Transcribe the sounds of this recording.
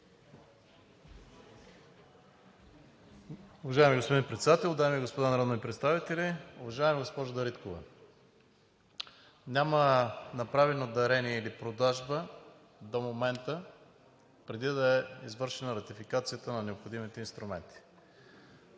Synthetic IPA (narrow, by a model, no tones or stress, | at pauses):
ʊvɐʒaɛmiɡospod̪inpɾɛt̪sɛd̪at̪ɛlˠd̪aɛmiɡospod̪anɐɾɔd̪niipɾɛt̪st̪avit̪ɛliʊvɐʒaɛmiɡospɔʒʊd̪ɐɾit̪kovɛ̰ | nʲamənɐpɾavɛnod̪ɐɾɛniɛilipɾod̪aʒbə | d̪omomɛnt̪ə | pɾɛd̪id̪ɐɛizvɤɾʃɛnəɾɐt̪ifikat̪sijət̪ənɐnɛopxod̪imit̪ɛinst̪ɾʊmɛ̰nt̪i̥